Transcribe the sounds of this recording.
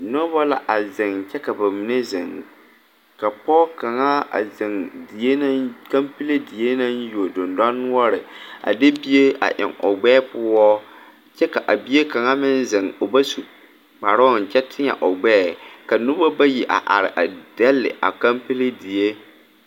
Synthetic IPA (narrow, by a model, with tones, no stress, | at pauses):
nɔ˦bɔ˦la̰˨ʔa˨zɪ˨ŋt͡ʃɛ˦ka˨ba˨mɪ˨ne˦zɪ˨ŋ | ka˨pɔː˦ka˨ŋa˦a̰˨zɪ˨ŋdi˨je˦na˦ka˦mpi˦le˦di˨je˦na˦n˦jo˨dʊ˨nda˦nːʊ˦ɔ˦ɾɪ˨a̰˨de˦bi˦je˦ʔa̰˨ʔɪ̰˨ŋo̰˨ɡ͡bɛː˦pʊ˦ɔ˦ | t͡ʃɛ˦ka˨ʔa˨bi˦e˦ka˨ŋa˦mɪ˦n˦zɪ˨ŋo˨ba˦su˨ | k͡pa˨ɾɔ˦˨n̩˨t͡ʃɛ˦tʰɪ˦ɲa̰˨ʔo˨ɡ͡bɛː˦˨ka˨nʊ˦ba˦ba˦ji˨ʔa̰˨ʔa̰˨ɾɪ̰˨ʔa˨d̥ɛ˦lːɪ̰˨ʔa̰˨ka˦mpi˦le˦di˨je˦